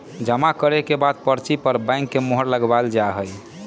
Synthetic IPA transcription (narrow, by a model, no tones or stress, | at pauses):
d͡ʒəmakəɾɛkebad̪̚pəɾt͡ʃipəɾbãɪ̃ŋkːemoɦəɾləɡbald͡ʒaɦəj